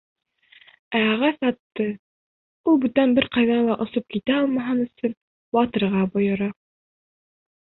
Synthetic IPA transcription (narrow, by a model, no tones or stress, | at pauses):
æɑʁæsɑt̪ːɤ | ulˠbʉt̪ænbɘɾqɑjðɑlˠɑʔŏsop̚kit̪æɒlˠmɑɦɤnɵ̆sɵn | wɑt̪ɤ̆ɾʁɑbŏjɤ̆ɾɑ